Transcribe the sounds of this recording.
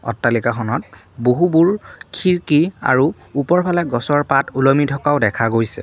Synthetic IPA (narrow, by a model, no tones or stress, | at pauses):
ɔ̰tːalikaxɔnɔt̚ | boɦubuɹkʰiɹkia̰ɹuː | pɔɹpʰalɛɡɔsɔɹpatulɔmitʰɔkaʊdɛkʰaɡojsɛ̰